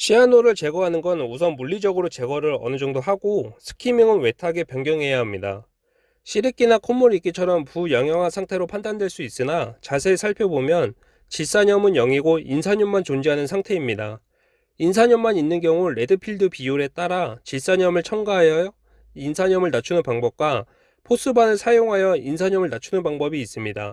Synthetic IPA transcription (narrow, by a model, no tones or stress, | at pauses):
ɕʰianoɾɯɭt͡ɕe̞ɡʌɦanɯnɡʌnusʰʌnmuɭːid͡ʑʌɡɯɾot͡ɕe̞ɡʌɾɯɾʌ̰nɯd͡ʑʌŋdoɦaɡosʰɯ̥kʰimiŋɯnwe̞tʰaɡe̞pjʌŋɡjʌŋɦe̞jaɦamɲida̰ | ɕʰiɾik͈inakʰomːuɾik͈it͡ɕʰʌɾʌmpujʌŋjʌŋɦasʰaŋtʰe̞ɾopʰandandwe̞ɭs͈uis͈ɯnat͡ɕas̬ʰe̞ːsʰaɭpʰjobomjʌn | t͡ɕis͈aɲʌmɯnjʌŋiɡoinsʰaɲʌmːant͡ɕond͡ʑiɦanɯnsʰaŋtʰe̞imɲida | ins̬ʰaɲʌmːaɲinːɯnɡjʌŋuɾe̞dɯpʰiɭdɯpiuɾe̞t͈aɾat͡ɕis͈aɲʌmɯɭt͡ɕʰʌŋɡaɦajʌ | insʰaɲʌmɯɭnat͡ɕʰunɯnpaŋbʌp̚k͈wa | pʰos͈ʰɯbanɯɭsʰajoŋɦajʌinsʰaɲʌmɯɭnat͡ɕʰunɯnpaŋbʌbiːs͈ɯmɲida̰